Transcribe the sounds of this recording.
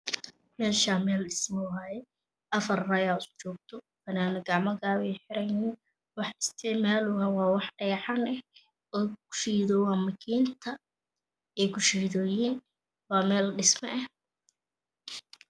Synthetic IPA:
mɛːʃaːmɛːlɖɪsmɔwaːjɛ | ʔɐfɐrrɐjaːst͡ʃɔːɡ̚t̪ʰɔ | fɐnaːnʊɡɑʕmɐɣaːβɛjħɪɾɛjnɪn | wɑħɪst̪ʰɪʕmaːlʊwɐwɑːwɑħɖɛjʕɑnɛh | ɔːɡʊ̥ʃiːðɔːwɑːmɐkʰiːnt̪ʰɐ | ɛkʰʊʃiðɔːjiːn | wɑːmɛːlɖɪsmɐ̰ʔɛh

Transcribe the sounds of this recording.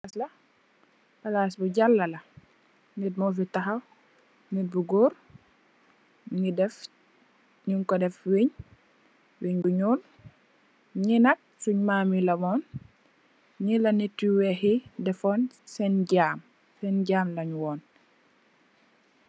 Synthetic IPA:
aslɐ | pɐlas̬buɟalːɐlɐ | ŋit̚mɔf̬itɐxɐw | nibuɡuɾ | ŋidɛf | ɲuŋkɔdɛfwiɲ | wiɲbuɲuːn | ɲinɐk̚suɲmaːmilɐmɔːn | ɲilɐnitːiwɛhidɛfɔːn | sɛnɟaːm | sɛnɟaːmlɐɲwɔːn

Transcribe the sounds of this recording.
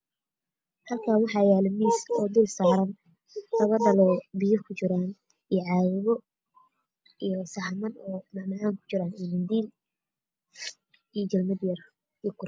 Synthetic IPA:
hɐlkʰaːwɑħɑjaːlɪmiːsɔːd̪ɪlsaːɾɐn | lɐβɐd̪ɐlɔːbɪjɐkʰʊt͡ʃɪɾaːn | ijʕɑjɪβɔ | ijɔsɐhmɐnɔːmɐʕmɐʕaːŋkʰʊ̥t͡ʃɪɾaːnɛmɪnd̪iːl | ijt͡ʃɐlmɐd̪jɐr | ikʰʊɾ

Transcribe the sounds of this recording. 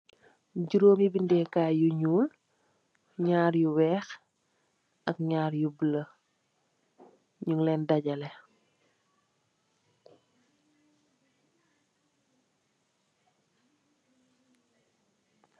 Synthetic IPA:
ɟuɾoːmibindɛkaːjuɲuːl | ɲaːɾjuwɛːx | ʔɐk̚ɲaːɾjubələ | ɲuŋlɛndɐɟɐlɛ

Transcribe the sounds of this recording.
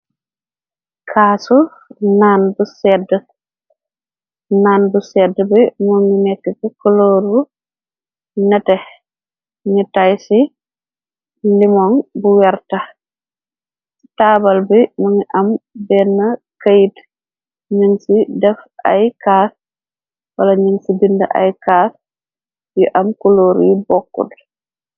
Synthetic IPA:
kʰaːsu | naːnbusɛdə | naːnbusɛdːəbimuŋinɛkːɛkɛkoloːɾu | nɛtɛ | ŋitajsi | limɔŋbuwɛɾtɐ | si̥tabɐlbimɔŋiʔɐmbɛːnːɐkajt | ɲəŋsidɛfʔa̰jkaːs | wɐlɐɲəŋsibindɐ̰ʔa̰jkaːs | jiʔɐmkoloːɾṵjubɔkːṵl

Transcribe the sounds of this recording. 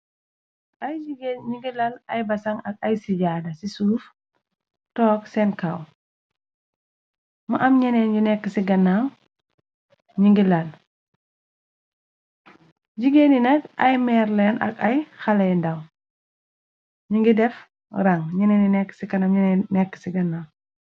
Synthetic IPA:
ʔɐjd͡ʒiɡenɲiŋɡilɐlɐjbɐsɐŋɐk̚ɐjsiɟaːdɐsisuːf | tɔːksɛnkɐw | mɐʔɐmɲɛnɛːnɟunɛkːəsiɡɐnaŋ | ɲiŋɡilɐl | ɟiɡeːninɐkɐjmɛːrlɛnɐ̰kɐjxɐlɐjndɐw | ɲiŋɡidɛf | ɾɐŋɲɐnɛninɛkːə̥sikɐnɐmɲɛnɛnɛkːə̥siɡɐnːaːŋ

